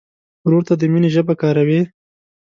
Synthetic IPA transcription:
ɾoɾt̪ad̪əmineʒəbakɑːɾawe

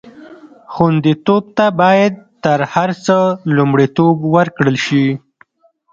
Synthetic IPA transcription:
xund̪it̪ob̚t̪abɑjad̪̚t̪əɾhaɾt͡səlumɽit̪obwəɾkɽəlʃi

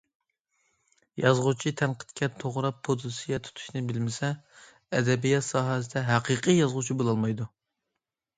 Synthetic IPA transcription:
jɑzʁʊt͡ʃʰit̪ʰɛnqʰə̥t̪̚kʲʰɛt̪ʰoʁɾɑpʰːod̪sɨjɛt̪ʰu̥t̪ʰu̥ʃnɪbɪlmɪsɛ | ɛd̪ɛbijɑt̪sɑːɦɛsɪd̪ɛɦæqʰiqʰɨjɑzʁʊt͡ʃʰibolˠɑlˠmɑjd̪u

